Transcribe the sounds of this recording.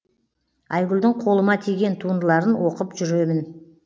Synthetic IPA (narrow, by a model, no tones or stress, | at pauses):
ɑjɡʲʊld̪ɪɴqʰo̞lˠəmɑt̪ʰiɡʲe̞nt̪ʰuənd̪əlˠɑɾənwo̞qəpʒʏɾe̞mɪn